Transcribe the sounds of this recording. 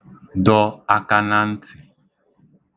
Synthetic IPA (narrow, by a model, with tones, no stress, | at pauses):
dɔ˦a˦ka˦na˦n̩˦tʰɪ˨